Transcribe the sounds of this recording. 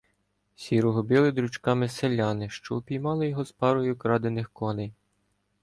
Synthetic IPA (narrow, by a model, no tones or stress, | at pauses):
sʲiɾɔɦɔbʲilˠɪd̪ɾut͡ʃkɑmɪselʲːɑnɪʃt͡ʃɔpʲijmɑlˠɔjɔɦɔspɑɾɔjʊkɾɑd̪enɪxkɔlɛj